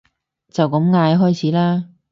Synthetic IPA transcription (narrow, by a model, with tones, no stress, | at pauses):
t͡sɐ˨wkɐ˨˥mŋaː˨˧jɦɔː˥jt͡sʰiː˨˥laː˥